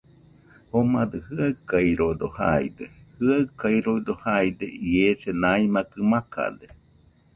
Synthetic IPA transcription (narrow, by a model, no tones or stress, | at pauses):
homad̪ɨhɨaɨkaiɾod̪oha̰id̪ehɨaɨkajɾoid̪ohajd̪eiesenaimakɨmaka̰d̪e